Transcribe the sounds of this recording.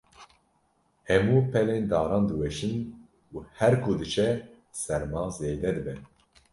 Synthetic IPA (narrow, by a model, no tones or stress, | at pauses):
hɛmuːpʰɛleːnd̪ɑːɾɑːnd̪ɨwɛʃɨn | uhɛɾkʰud̪ɨt͡ʃʰɛ | sɛɾmɑːzeːd̪ɛd̪ɨbɛ